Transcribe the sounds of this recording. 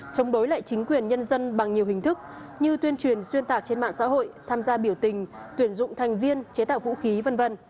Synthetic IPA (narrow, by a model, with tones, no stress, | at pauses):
t͡ɕə˨˦wŋ͡mɗo˨˦jla̰ː˧˨jt͡ɕï˨˦ŋ̟kwi˨˩ənɲə˧nzə˧nɓa˨˩ŋɲi˨˩əwhï˨˩ŋ̟t̪ʰɨ˦˥k̚ | ɲɨ˧t̪wi˧ənt͡ɕwi˨˩ənswi˧ənt̪aː˨˩k̚t͡ɕe˧nma̰ː˧˨ŋsa̰ː˧˥ɦo̰˧˨jt̪ʰaː˧mzaː˧ɓi˧˩əwt̪ï˨˩ŋ̟t̪wi˨˧˩ənzʊ̰˧˨ŋ͡mt̪ʰa˨˩jŋ̟vi˧ənt͡ɕe˨˦t̪a̰ː˧˨vṵ˧˥xi˨˦və˧nvə˧n